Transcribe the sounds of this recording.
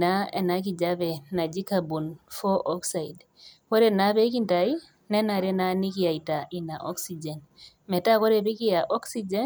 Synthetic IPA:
naɛ̰˨nak̬id͡ʒabɛ˨na˨d͡ʒi˦kabu˨nfɔʔɔksaid | kɔ˦ɾɛnabe˦kintai | nɛ˦naɾɛ˦na˦ni˦ki˦ja˨ita˨ʔi˨na˨ʔɔ̰˦ksid͡ʒɛn | mɛ˨ta˦kɔ˦ɾɛbi˦kija˨ʔɔ˦ksid͡ʒɛ˦

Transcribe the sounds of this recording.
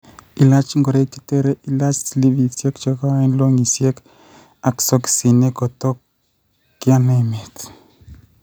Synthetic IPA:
i˨la˦t͡ʃŋɡɔ˨ɾe˦ki̥˦t̪e˦ɾe˦ʔi˨la˦t͡ʃsli˦vi˨sje˦kt͡ʃɔ˦ka˦i˦nlo˦ŋi˨sje˦k | a˨ksɔ˦ki̥si˨ne˦kɔ˨t̪ɔ˦kː | ɪ˦a˦nɛ˦me˨t̪

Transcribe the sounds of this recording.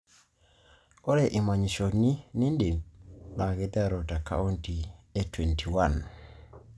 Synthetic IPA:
ɔ˦ɾeʔi˨ma˨ɲi˨ʃoni˦ni˦nde˨nna˨ɡɛda˦ɾɔta˨ka̰u˦nti˨etwe˨ntʰiwan

